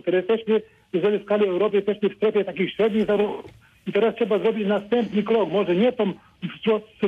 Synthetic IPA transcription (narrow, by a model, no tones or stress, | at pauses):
kt̪ɛɾɛjɛst̪ɛɕmɘ | ɛzɛliskalʲiɛwɾɔpɘɛst̪ɛɕmɘfst̪ɾɛfʲjɛt̪ak̬ʲixɕɾɛd̪ɲiɣzaɾuxu | it̪ɛɾastʂɛbazɾɔbʲit͡ɕnast̪ɛmpnɨkɾɔkmɔʐɛɲɛt̪ɔm | vt̪ɾɔts